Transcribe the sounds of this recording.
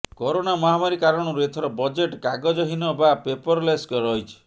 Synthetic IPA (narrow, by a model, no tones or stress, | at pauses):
kɔɾonamɔɦamaɾikaɾɔɽ̃ɔɾuet̪ʰɔɾɔbɔd͡ʒeʈkaɡɔd͡ʒɔɦinɔbapepɔɾleskɔɾɔɦjt͡ʃʰi̥